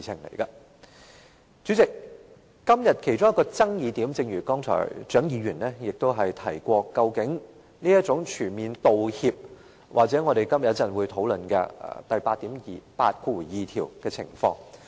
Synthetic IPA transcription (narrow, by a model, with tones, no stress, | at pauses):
i˨t͡sʰɪ˨˩ŋlḛ˨˩jkɐ˧ | t͡ʃy˨˥t͡sɪ˨k̚ː | ɐ˥mjɐ˨t̚kʰe˨˩jt͡sʊ˥ŋjɐ˥kːɔː˧t͡sɐ˥ŋjiː˨˧t̪iː˨˥mt͡sɪ˧ŋjyː˨˩kɔː˥ŋt͡sʰɔ̰ː˨˩jt͡ʃœː˨˥ŋjiː˨˧ɥyː˨˩nlɛː˥jɪ˨k̚t̪o˥wɦɐ˨jt̪ʰɐ˨˩jkʷɔː˧kɐ˧wkɪ˨˥ŋ | niː˥jɐ˥t̚t͡sʊ˨˥ŋt͡ʃʰyː˨˩nmiː˨nt̪o˨whiː˧p̚ | wʔa̰ː˨k̚t͡sɛ˨˥ŋɔː˨˧ɾe˨jkɐ˥mjɐ˨˩t̚t͡sɐ˨nwuː˨˧jt̪ʰo˨˧˥wlɵ˨nkɛ̰˧˨t̪ɐ˨jpaː˧t̚t̪iː˨˥mjiː˨pa̰ː˧t̚ku˧˩u˨˩jiː˨t̪ʰiː˨˩wkɛː˧t͡sʰɪ̰˨˩ŋfɔ̰ː˧ŋ